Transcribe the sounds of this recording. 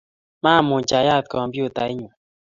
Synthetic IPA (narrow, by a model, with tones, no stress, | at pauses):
ma˦˨mu˨t͡ʃa˨ja˦˨t̪̚kɔ˨mbjo˦˨ta˨˦i˦ɲu˨